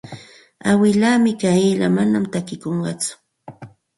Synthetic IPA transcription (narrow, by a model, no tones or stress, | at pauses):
awɪlaːmɪkajila̰manamt̪akɪkoɴɢɑt͡sʊ̥